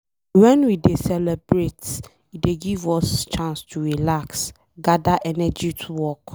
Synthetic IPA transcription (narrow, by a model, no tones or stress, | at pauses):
wɛ̃nwidesɛlɛbɹet | ideɡivɔst͡ʃʰãnstʰuɹilaks | ɡadaʔɛnɛd͡ʒitʰuwɔk